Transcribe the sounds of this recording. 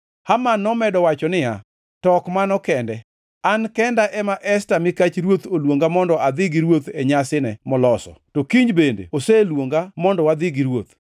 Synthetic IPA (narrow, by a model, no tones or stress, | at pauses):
hamanːɔmɛdɔwat͡ʃɔnɪja̰ | tɔkmanɔkɛndɛ | ankɛndaʔɛmaʔɛstamɪkat͡ʃɾwot̪olwoŋɡamɔndɔʔad̪ɪɡiɾwot̪ɛɲasɪnɛmɔlɔsɔ̰tɔkiɲbendḛoselwoŋɡamɔndɔwad̪ɪɡiɾwot̪̚